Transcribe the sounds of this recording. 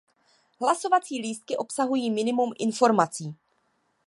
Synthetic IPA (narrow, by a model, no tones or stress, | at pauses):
ɦlaso̞vat͡siːliːst̪̚kɪʔo̞psaɦujiːmɪnɪmumʔɪnfo̞ɾmat͡siː